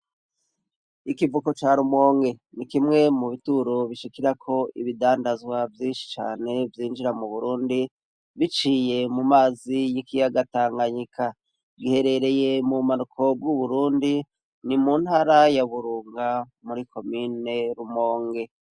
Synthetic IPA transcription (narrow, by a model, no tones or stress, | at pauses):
ikivuko̞t͡ʃaːɾumo̞ːŋɡe̞nikimŋe̞muβituɾoβiʃikiɾakʰo̞iβidaːndazɡwavjiːnʃi̥t͡ʃa̰ːne̞vjiːnd͡ʒiɾamuβuɾuːndi | βit͡ʃiːje̞mumaːzijikijaɡataːŋɡaɲikʰa | ɡihe̞ɾe̞ɾe̞je̞mumanukʰo̞b̚ɡuβuɾuːndi | nimunhaːɾajaβuɾuːŋɡa | muɾikʰo̞mine̞ɾumo̞ːŋɡe̞